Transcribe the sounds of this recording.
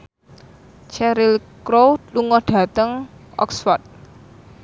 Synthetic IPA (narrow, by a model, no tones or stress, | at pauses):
t͡ʃɛɾilkɾowluŋɔɖ̥ä̤t̪əŋɔ̰ksfɔrt̪̚